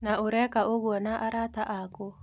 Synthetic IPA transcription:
naoɾɛkaʔoɣwɔnaʔaɾataʔako

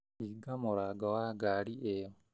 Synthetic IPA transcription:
iɡamoɾaɡawaɡaliʔeo

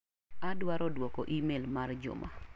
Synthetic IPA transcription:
adwaɾɔdwɔkɔʔimelmard͡ʒʊ̰ma̰

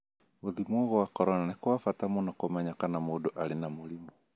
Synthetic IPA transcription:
uðimwɔɣɔwakɔɾɔnanikɔwafatamɔnakɔmɛɲakanamuɗɔʔalinamulimɔ

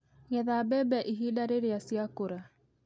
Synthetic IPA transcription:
ɣɛðabɛbɛʔiɦidaɾeɾeasjakoɾa

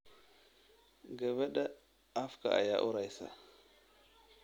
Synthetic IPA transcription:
ɡavaɗa | afka̰a̰ja̰ʔuɾajsa̰

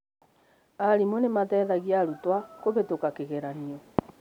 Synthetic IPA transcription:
aɾimonematɛðaɣiaɾutwakoβetokakeɣɛɾaniɔ

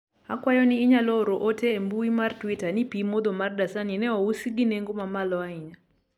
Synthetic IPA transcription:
akwajɔnɪːɲalɔɾoʔoteːmbuimartwitanipimod̪omardasaninɛɔusiɡineŋɡomamalɔaɪɲa

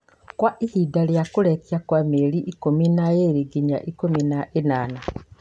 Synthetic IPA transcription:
kwaʔihidaljakuɾekjakwameɾiʔːkuminajeɾiɡiɲa̰ʔikuminainana

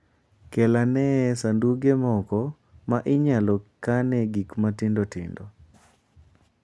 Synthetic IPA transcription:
kɛlanɛsanduɡemɔkɔ | maʔɪɲalɔkanɛɡikmatɪndotɪ̰ndo

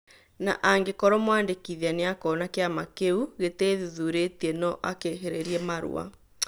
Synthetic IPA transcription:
na̰ʔaŋɡekɔɾɔmwaːndekiðianeakɔːnakeamakeuɣeteːðuðuɾetiɛnɔʔakeɦeɾeɾiɛmaɾṵa̰

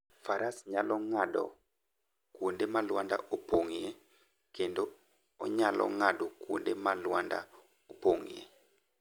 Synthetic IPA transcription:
faɾasɲalɔŋadɔ̰ | kwondemalwanda̰ʔopoŋje | kendo | ɔ̰ɲalɔ̰ŋadokwondemalwanda̰ | opoŋjḛ

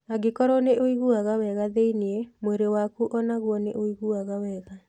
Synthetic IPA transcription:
aɡekɔɾɔneʔoiɣuaɣawɛɣaðeineɛmweɾewakuʔɔnaɣwɔneʔoiɣuaɣawɛːɣa

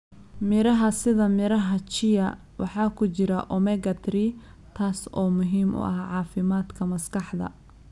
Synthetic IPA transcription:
mɪɾɐɦɐsɪðɐmɪɾɐɦɐt͡ʃɪjɐ | wɑħɑːkʰʊt͡ʃɪɾɐʔɔmɛɡɐt̪ʰɾi | t̪ʰaːsɔːmʊɦiːmʔʊ̰ʔɐhʕɑːfɪmaːd̪kʰɐmɐskʰɑħd̪ɐ̰

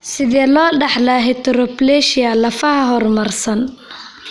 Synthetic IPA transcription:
sɪðɛːlɔːɖɐħlɐɦɛt̪ʰɾɔplɛʃɪɐlɐfɐhɐɦɔrmɐrsɐn

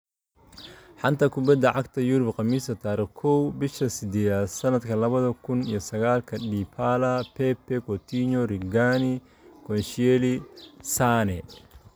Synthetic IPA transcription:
ħant̪ɐkʊbɐd̪ɐʕakt̪ɐjuɾʊbqɐmiːsɐt̪aːɾɐkʰɔwbɪʃɐsɪd̪ɛːðasɐnɐd̪kʰɐlɐβɐðɐkʰʊnḭjɔsɐɣaːlkʰɐɗiːpʰaːlɐpɛpːɛkɔt̪iɲɔɾiɡaːni | kɔnʃɛlisaːnɛ

